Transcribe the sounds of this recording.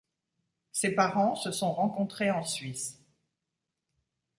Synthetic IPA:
sepaʁɑ̃səsɔ̃ʁɑ̃kɔ̃t̪χeɑ̃sɥis

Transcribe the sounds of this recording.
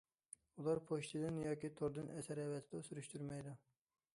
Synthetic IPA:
ulˠɑɾpʰoʃt̪ʰɨd̪ɨnjɑːkʲit̪ʰoɾd̪ɨnʔɛsɛɾɛvɛt̪ʰɪd̪ɛsyɾyʃt̪yɾmɛjd̪u

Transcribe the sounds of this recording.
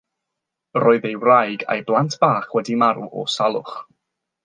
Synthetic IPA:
rɔːɨðejwrajɡa̰jblˠantʰb̥aːχwɛdimaɾuʔɔ̰salˠʊ̰χ

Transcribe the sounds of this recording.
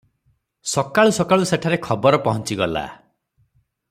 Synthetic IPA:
sɔkaɭusɔkaɭuseʈʰaɾekʰɔbɔɾɔpɔɦɔnt͡ʃiɡɔla̰

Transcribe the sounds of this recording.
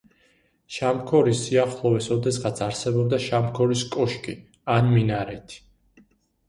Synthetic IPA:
ʃamkʰɔɾisːiaχlˠɔvɛsɔd̪ɛsʁat̪sʰaɾsɛbɔb̚d̪aʃamkʰɔɾiskʼɔʃkʰʼi | anminaɾɛt̪ʰi̥

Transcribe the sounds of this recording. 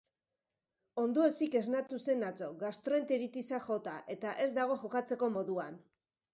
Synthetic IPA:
o̞nd̪oe̞sike̞znat̪use̞nat͡so̞ɣast̪ɾoe̞nt̪eɾit̪isaʝo̞t̪aʔe̞t̪aʔe̞zd̪aɣ̞o̞ʝo̞kat͡se̞ko̞mo̞ðuan

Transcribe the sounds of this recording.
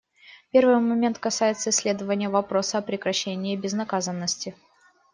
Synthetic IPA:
pʲe̞rvɨjmɐmʲe̞nt̪kɐsajɪt̪səɪsʲːlʲe̞d̪əvənʲɪjəvɐpɾo̞səɐpɾʲɪkɾɐɕːenʲɪːɪbʲɪznɐkazənːəsʲtʲɪ

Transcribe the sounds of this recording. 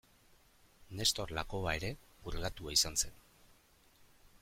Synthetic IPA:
ne̞st̪o̞ɾlako̞ae̞ɾe̞uɾɣat̪uaisanse̞n

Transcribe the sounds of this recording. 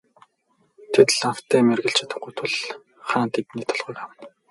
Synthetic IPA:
t̪ʰet̪ɮaw̥t̪æːmerɣɘ̆ɬt͡ɕʰḁt̪ə̆χɡujt̪ʰʊɮ | χaːnt̪ʰep̪niːt̪ʰɔɮʁʊːkawə̆n

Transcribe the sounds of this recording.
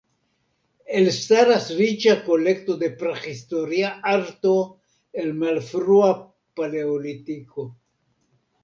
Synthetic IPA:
elstaɾasɾit͡ʃakolektod̪e̞pɾexistoɾiaaɾto | elmalfɾua | paleolit̪iko

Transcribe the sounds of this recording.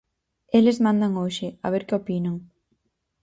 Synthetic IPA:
elɪzmãnd̪aŋoʃɪa̰β̞eɾkɪopinaŋ

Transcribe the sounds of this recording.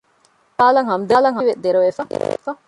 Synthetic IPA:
paːlɐŋɦɐmd̪aːlɐŋɦɐʋed̪eɾoʋefɐfɐ

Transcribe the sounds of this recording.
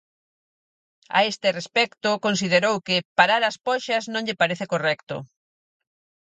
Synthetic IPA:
a̰est̪ɪrespɛkt̪ʊkons̬iðeɾowkɪpaɾaɾɐspɔʃɐznõŋʎɪpaɾeθekorɛkt̪ʊ̰

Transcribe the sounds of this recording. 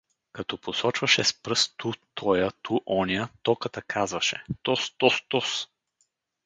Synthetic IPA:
kɐt̪ɔposɔt͡ʃvɐʃɛspɾɤst̪ut̪ʰɔjət̪ʰuʔɔniət̪ɔkət̪əkʰazvɐʃɛt̪ɔst̪ɔst̪ɔs

